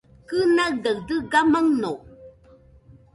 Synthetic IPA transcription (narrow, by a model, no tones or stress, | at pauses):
kɨnadəɰdəɡaməŋno